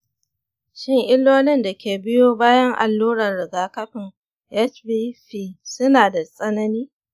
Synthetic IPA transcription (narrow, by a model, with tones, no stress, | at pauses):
ʃɪ˦ŋʔɪ˦lːoː˦lɪ˦nda˨kʲʰeː˨bɪ˦joː˦baː˦jɐ˦ŋʔa̰˨lːuː˦ɾɐ˨nɽɪ˨ɡaː˦kɐ˦ɸɪ˨ŋ | ʔɛ˦t͡ʃbiː˦ɸiː˦sʊ˦naː˨da˨sʼɐ˦nɐ˦niː˦